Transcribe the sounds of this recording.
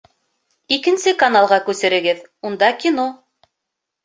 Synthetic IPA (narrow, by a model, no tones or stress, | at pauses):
ikɘ̆nsɘkɐnalˠʁɑkʉsɘ̆ɾɘ̆ɡɘðund̪ɑkʲino